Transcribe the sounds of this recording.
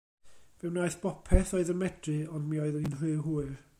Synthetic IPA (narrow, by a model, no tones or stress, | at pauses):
vɛwnaɨθb̥ɔpʰɛθɔɨðəmɛd̥rɨɔndmiɔɨðəninr̥ɨːɦuːɨr